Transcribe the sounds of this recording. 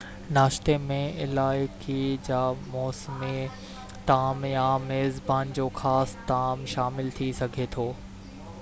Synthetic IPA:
naːʃt̪emẽɪlaːɪkid͡ʑaːmɔːsme | t̪aːmjameːzbaːnd͡ʑoːxaːst̪aːmʃaːmɪlt̪ʰisɐɡʱet̪ʰoː

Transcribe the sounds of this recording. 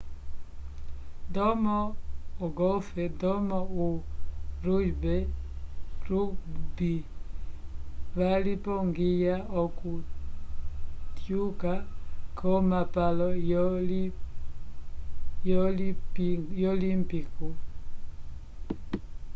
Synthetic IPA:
dɔmɔɔɡɔfɛdɔmɔuɾud͡ʒbɛ | ɾubi | βalipɔŋɡijaɔku | tjukakʰɔmapalɔ | jɔ | jɔlimpiku

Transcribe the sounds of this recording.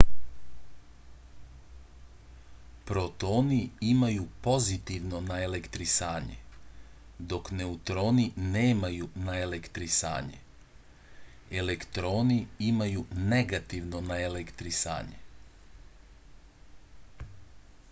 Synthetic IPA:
pɾo̞t̪o̞ːniimajupo̞zit̪iʋno̞naele̞kt̪ɾisaːɲḛ | d̪o̞kne̞ut̪ɾo̞ːnineːmajunaele̞kt̪ɾisa̰ːɲḛ | elekt̪ɾo̞ːniimajune̞ɡat̪iʋno̞naelekt̪ɾisa̰ːɲḛ

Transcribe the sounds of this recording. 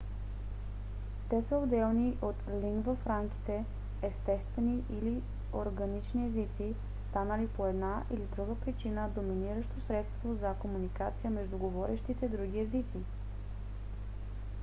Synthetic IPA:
t̪ɛsəod̪ɛlˠniʔot̪liŋɡvɐfɾamki̥t̪ɛ | ɛst̪ɛst̪vɛniʔili | oɾɡɐnit͡ʃniɛzit̪si | st̪anəlipoɛd̪naʔḭlit̪ɾuɡəpɾit͡ʃinəd̪ominiɾəʃt̪osɾɛt̪st̪vozɐkomunikat̪sijəmɛʒd̪uɡovɔɾɛʃt̪it̪ɛd̪ɾuɡ̟ʲiɛzit̪si

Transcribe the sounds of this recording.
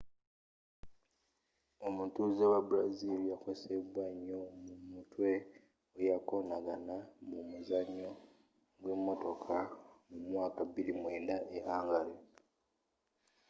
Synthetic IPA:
omutuzewabuɾazilijakweseβwaɲːomumutwe̞ | ojako̞naɡanamumuzaɲo | ɡwemːo̞to̞kʰamumwaːkaβilimweːndaʔeaːŋɡaɾe

